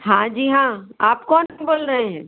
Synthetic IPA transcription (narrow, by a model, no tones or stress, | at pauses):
ɦãːd͡ʒiːɦãːaːpkɔːnboːlɾəɦeɦɛ̃ː